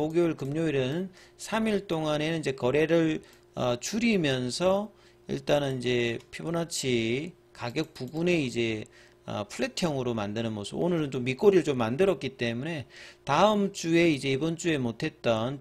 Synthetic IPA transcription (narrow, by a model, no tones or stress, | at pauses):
oɡjoɯɭkɯmɲoiɾɯnɯnsʰamiɭt͈oŋane̞nɯnid͡ʑe̞kʌɾe̞ɾɯɭ | ʌt͡ɕuɾimjʌnsʰʌ | ḭɭt͈anɯnid͡ʑe̞pʰibonat͡ɕʰi | kaɡjʌk̚puɡune̞id͡ʑe̞ | ʌ̰pʰuɭːe̞tʰjʌŋɯɾomandɯnɯnmosʰɯbo̰nɯɾɯnt͡ɕomːik͈oɾiɭt͡ɕomːandɯɾʌk͈̚it͈e̞mune̞taɯmt͡ɕ͈ue̞id͡ʑe̞ibʌnt͡ɕ͈ue̞motʰe̞t̚t͈ʌn